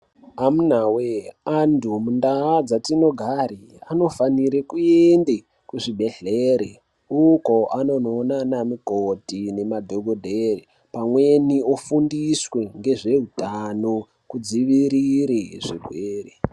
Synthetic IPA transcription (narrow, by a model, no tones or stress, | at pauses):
amunaweandʱumundaːd͡zatino̞ɡʱaɾi | ano̞faniɾekuende | kuʐibʱe̞ɮeɾe | uko̞ʔano̞nonanamikotine̞madʱoɡʱodʱeri | pamwe̞niofundiswe̞ŋɡe̞ʐe̞ɦutano | kud͡ziʋiɾiɾeʐeɡʱweːre